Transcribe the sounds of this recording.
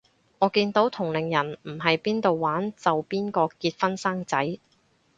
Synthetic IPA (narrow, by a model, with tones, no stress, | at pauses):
ŋɔː˨˧kiː˧nt̪o˨˥wt̪ʰʊ˨˩ŋlɪ˨ŋjɐ˨˩nm̩˨˩ɦɐ˨jpiː˥nt̪o˨wːaː˨˥nt͡sɐ˨wpiː˥nkɔː˧kiː˧t̚fɐ˥nsaː˥ŋt͡sɐ˨˥j